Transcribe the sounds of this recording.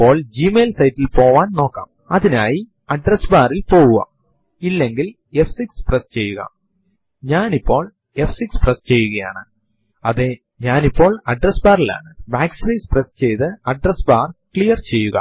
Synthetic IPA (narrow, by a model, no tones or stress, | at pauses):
ipːo̞ːɭd͡ʑiːmeːlsɐjtːilpo̞ːʋaːnno̞ːkːa̰ːm | ɐðinaːji | ɐɖresbaːrilpo̞ːɣuɣɐ̰ | ilːeŋɡil | e̞fsiksprest͡ɕe̞jːuɣɐ̰ | ɲaːnipːo̞ːɭ | e̞fsiksprest͡ɕe̞jːuɣɐja̰ːɳɨ | ɐðe | ɲaːnipːo̞ːɭɐɖresbaːrila̰ːɳɨbaːksɾesprest͡ɕe̞jt̪ɨɐɖresbaːrkɭijɐrt͡ɕe̞jːuɣɐ̰